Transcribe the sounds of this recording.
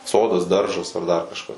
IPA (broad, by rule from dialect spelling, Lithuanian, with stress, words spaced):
ˈsoːdɐs ˈdɐrʒɐs ɐr ˈdɐr kɐʃˈkɐs